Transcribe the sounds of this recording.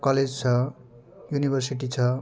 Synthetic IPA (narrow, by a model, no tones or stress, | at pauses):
kʌled͡zt͡sʰʌ | junibʱʌrsiʈit͡sʰʌ